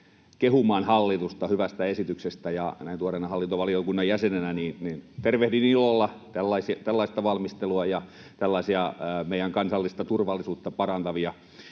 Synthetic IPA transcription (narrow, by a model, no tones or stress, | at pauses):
kehumɑːnhɑlːit̪ust̪ɑhyʋæst̪æesit̪yksest̪æjɑ̰næint̪uorenɑhɑlːint̪oʋɑliokunːɑjjæsenenæniːnniːnt̪erʋeht̪iniːiːlːolːɑt̪ælːɑisit̪ælːɑist̪ɑʋɑlmist̪eluɑjɑ | t̪ælːɑisiɑmeijæŋkɑnsɑlːist̪ɑt̪urʋɑlːisuːt̪ːɑpɑrɑnt̪ɑʋiɑ